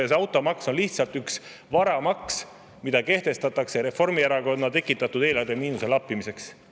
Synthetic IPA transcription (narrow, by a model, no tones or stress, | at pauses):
sɑwt̪ːˑo̞mɑkso̞nliht̪sɑlt̪yks | vɑɾɑmɑks | mid̪̥ɑke̞ht̪e̞st̪ɑt̪ːˑɑkseɾe̞fo̞rmieɾɑko̞nːɑt̪e̞kːˑit̪ːˑɑt̪ˑud̪̥e̞ːlɑrd̪emiːnuse̞lɑpːˑimise̞ks